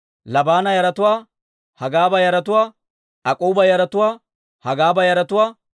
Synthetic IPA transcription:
lɐbaːnɐjɐɾɐt̪ʊwaː | hɐɡaːbɐjɐɾɐt̪ʊwaː | ɐkʼuːbɐjɐɾɐt̪ʊwaː | hɐɡaːbɐjɐɾɐt̪ʊwaː

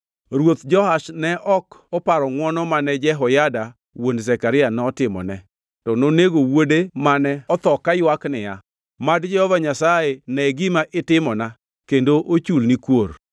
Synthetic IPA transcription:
ɾwot̪d͡ʒɔhaʃnɛʔɔkɔpaɾɔŋwɔnɔmanɛd͡ʒɛɦɔjada | wondzɛkaɾɪjanɛɔtɪmɔ̰nɛ | tɔnoneɡowodemanɛɔt̪ɔkːajwaknɪja | madd͡ʒɛhɔvaɲasajenɛɡɪmaʔɪtɪmɔna | kendoʔot͡ʃulnikwor

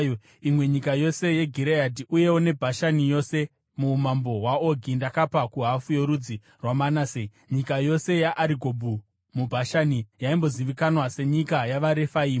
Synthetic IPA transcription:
imwe̞ɲikajo̞se̞je̞ɡʱiɾeadiʔuje̞wone̞bʱaʃanijo̞se̞ | mumambo̞ɦwaoɡʱindakapakuɦafujo̞ɾud͡zi | rwamanasei | ɲikajo̞se̞jaʔːɾiɡʱobʱu | mubʱaʃanijaimbo̞ziʋikanwase̞ɲikajaʋaɾe̞faiːm

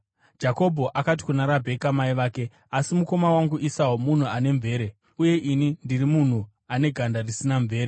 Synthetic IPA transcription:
d͡ʒako̞bʱo̞ʔakat̬i̥kunaɾabʱe̞kamaiʋaːke̞ | asimuko̞mawaŋɡuʔisaumun̤uane̞ɱve̞ːɾe | uje̞ʔinindirimun̤u | ane̞ɡʱandarisinaɱvʱe̞ːɾe

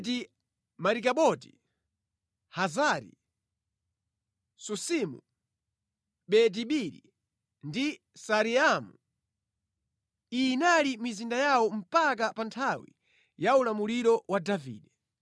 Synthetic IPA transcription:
ti | maɾikaɓɔti̥ | hazaɾḭ | susimṵ | ɓɛt̬iɓiɾḭ | ndi | saɾiamu | iːnalimizindajawɔm̩pak̬apantʰawḭ | jaulamuliɾɔwadavḭːɗɛ

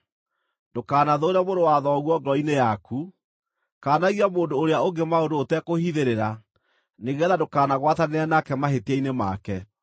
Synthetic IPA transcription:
d̥okaːnaðoːɾɛmoɾowaðɔɣwɔɡɔinejakʰu | kaːnaɣiamoːndoːɾeaoɡemaodoːtɛkohiðeɾeɾa | neɣɛðadokaːnaɣwataneɛnakɛmaɦetiainema̰kɛ

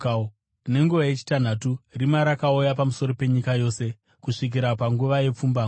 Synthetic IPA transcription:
ne̞ŋɡuʋajet͡ʃi̥tan̤aturimaɾakaujapamuso̞ɾo̞pe̞ɲikajo̞ːse̞ | kuʂik̬iɾapaŋɡuʋaje̞p͡fumbaːŋ

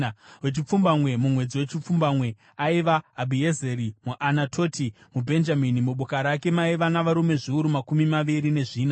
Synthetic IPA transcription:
wet͡ʃip͡fumbamwe̞mumwe̞d͡ziwet͡ʃip͡fumbamwe̞ | aiʋaːbʱiezeɾimuʔanatʰo̞tʰimubʱe̞nd͡ʒaminimuɓokaɾake̞maiʋanaʋaɾume̞ʐiuɾumakumimaʋiɾine̞ʐiːna

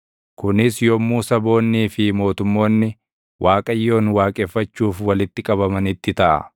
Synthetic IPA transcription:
kʊnɪsjɔmuːsɐbo̞ːnːiːfɪmo̞ːt̪ʊmːo̞ːnːɪ | wʔaːkʼɐjːo̞ːnwaːkʼɛːfːɐt͡ʃːuːfwɐlɪt̪ːɪkʼɐbɐmɐnɪt̪ːɪt̪ɐʔɐ̰

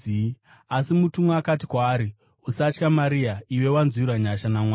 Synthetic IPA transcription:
asimutumoakat̬ikwaːɾi | usat͡ʃkamaɾiaiwe̞wanziɾaɲaʃanamwaː

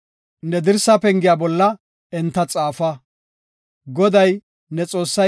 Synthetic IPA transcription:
nɛd̪ɪɾsːɐpɛŋɡɪjaːbɔlːɐ | ɛnt̪ːɐt͡sʼaːfɐ | ɡɔd̪ɐj | nɛt͡sʼoːsːɐ

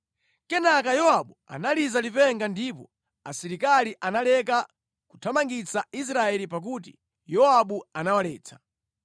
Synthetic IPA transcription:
kɛnak̬ajɔwaɓua̰nalizalipɛŋɡandipɔ | asiɾikaliʔanalɛka | ku̥tʰamaŋɡit͡sais̬ɾaɛlipak̬utḭ | jɔaɓuanawalɛːt͡sʰḁ

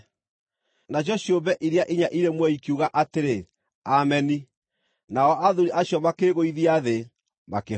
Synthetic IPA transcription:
naɕ̬ɔɕjombɛʔiɾeaʔiɲaʔiɾemwɛikiuɣaʔateɾe | amɛni | naɔʔaðuɾiʔaɕjɔmakeɾeɣoiðiaðe | make

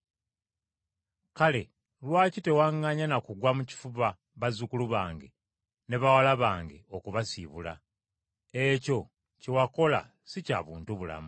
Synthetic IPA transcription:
kale̞ | lwaːcite̞waŋːaɲanakuɡwamuci̥fuβa | βazukuluβaːŋɡe̞ | ne̞βawalaβaːŋɡe̞̰okuβasiβula̰ | eco̞ | cewako̞la̰ | sica̰ːβuːntuβula̰mu

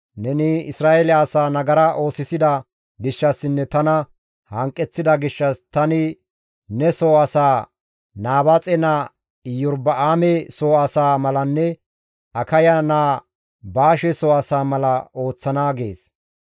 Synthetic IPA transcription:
nɛnɪɪsɾaːʔɛlɪːsaːnɐɡɐɾɐʔo̞ːsɪsɪd̪ɐ | ɡɪʃːɐsɪnːɛt̪ɐnɐ | hɐŋkʼːɛt͡sːɪd̪ɐɡɪʃːɐst̪ɐnɪ | nɛsoːɐsaː | naːbɐt͡sʼɛna | ɪjɔɾbɐʔaːmɛsoːɐsaːmɐlɐnːɛ | ʔɐkɐjɐnaː | baːʃɛsoːɐsaːmɐlɐo̞ːt͡sːɐnaːɡḛːs

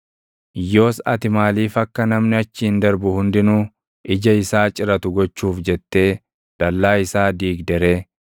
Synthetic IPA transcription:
jo̞ːsɐ̰t̪ɪmaːliːfɐkːɐnɐmnɪɐt͡ʃːɪɪnd̪ɐɾbʊhʊnd̪ɪnuː | ʔɪd͡ʒɐɪsaːt͡ʃʼɪɾɐt̪ʊɡɔt͡ʃːuːfd͡ʒɛt̪ːe̞ː | d̪̥ɐlːaːɪsaːd̪iːɡd̪ɛɾeː

